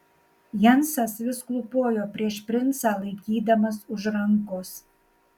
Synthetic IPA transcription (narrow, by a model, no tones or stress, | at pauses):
jɛnsɐsʋʲɪsklˠʊpoːjoːpʲɾʲiɛʃpʲɾʲɪnsɑːlˠɐɪkʲiːd̪ɐmɐsʊʒɾɐŋkoːs